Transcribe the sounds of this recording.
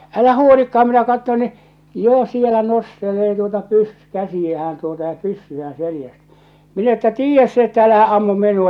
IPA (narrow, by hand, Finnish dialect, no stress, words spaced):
ælæ huolikːɑhɑm minæ kɑtːon ni jo sielæ nosteleː tuotɑ pys kæsijæhæn tuotɑ jɑ pysːyæːn̞ selĭjæst minæ etːæ tiːjːæs se etːæ ælæhæ ɑmːum minˑuɑ